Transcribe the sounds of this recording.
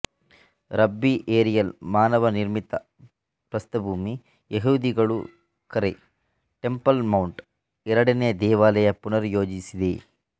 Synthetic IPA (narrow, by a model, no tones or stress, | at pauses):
ɾɐbːiʔeːɾijɐlmaːnɐʋɐniɾmit̪ɐ | pɾɐst̪ɐbʱuːmi | jeɦuːd̪iɡɐɭṵ | kɐɾḛ | ʈe̞mpɐlmɐwɳʈ | ɛɾɐɽɐnejɐd̪ɛːʋaːlɐjɐpunɐɾujoːd͡ʒisid̪e